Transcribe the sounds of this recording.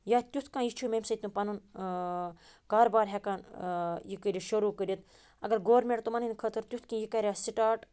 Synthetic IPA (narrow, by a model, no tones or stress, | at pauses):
jaːt̪ʲjut̪ʰkãːjit͡ʃʰumemʲsɐt̪ũpɐnun | kaːɾobaːɾɦʲekaːnjikəɾʲiʃɐɾuːkəɾʲit̪ | ɐɡɐɾɡoːɾmʲeɳʈ̚t̪omɐninʲkʰət̪ʰəɾt̪ʲjut̪ʰkĩjikɐɾʲaːsiʈaːʈ